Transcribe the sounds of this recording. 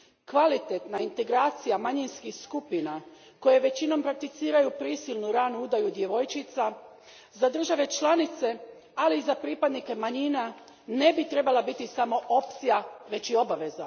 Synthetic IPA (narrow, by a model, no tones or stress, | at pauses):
kʋalit̪et̪naint̪e̞ɡɾaːt̪sijamaɲinskixskupina | ko̞je̞ʋe̞t͡ɕino̞mpɾak̚t̪it̪siːɾajupɾiːsilˠnuɾaːnuud̪ajud̪je̞ʋo̞jt͡ʃit̪sa | zad̪r̩ʒaʋe̞t͡ʃlˠanit̪se̞ | aliːzapɾipad̪nike̞maɲina | ne̞bit̪ɾe̞balabit̪isamo̞ʔo̞pt̪sijaʋe̞t͡ɕio̞baʋe̞za